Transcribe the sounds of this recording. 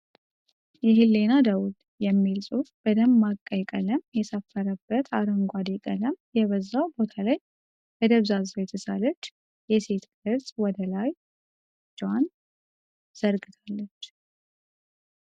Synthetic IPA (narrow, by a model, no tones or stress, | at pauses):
jɛɦɨlːe̞nad̪əwud̪ | jɛmːilsʼufb̥əd̪əmːakʼːəjkʼələmjɛsəfːəɾəbːət̪ʰaɾəŋɡʷad̪ekʼələmjɛβəzːawbo̞t̪ʰalaj | b̥əd̪əβzazjɛt̪ʰəsalət͡ʃː | jɛse̞t̪ʰɡɨɾtʼwɔd̪əlaj | d͡ʒwan | z̥əɾɡɨt̪ʰalːət͡ʃː